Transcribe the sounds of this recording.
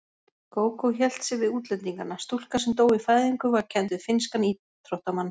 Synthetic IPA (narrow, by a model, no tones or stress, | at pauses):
koːwkʰowçɛl̥t̪sɪvɪðuːt̪lɛnt̪iŋkanːast̪ul̥kasɛmt̪oːwifaːjðiŋkʏvaɾcʰɛnt̪̬ʏ̥fɪnskani | t̪ʰɾowht̪amanː